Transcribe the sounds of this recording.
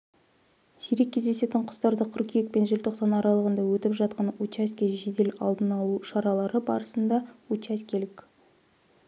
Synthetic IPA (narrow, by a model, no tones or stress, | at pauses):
siɾe̞kʲʰːezd̪e̞se̞t̪ɪɴqʰʊ̥st̪ɑɾd̪əqʲʰʏɾkʲijek̚pe̞nʒɪlt̪ʰo̞qsɑnɑɾɑlˠəʁənd̪ɑwɵt̪ɪpʒɑt̪̚qɑnut͡ʃaskʲeʒed̪e̞lɑ̰lˠd̪ənɑlˠuʃɑɾɑlˠɑɾəbɑ̰ɾəsənd̪ɑut͡ʃaskʲʰe̞lɪk